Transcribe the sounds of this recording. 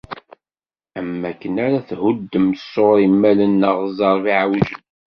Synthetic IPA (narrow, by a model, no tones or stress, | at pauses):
æmːækːənaɾæθhud̪ːəmsːoɾimːælənːəʁzˤɑɾˤviʕawiʒən